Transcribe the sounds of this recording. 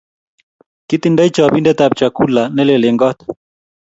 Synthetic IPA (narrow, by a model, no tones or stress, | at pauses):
kit̪indait͡ʃaβindɛt̪ab̚t͡ʃakulanɛlɛlɛŋɡɔt̪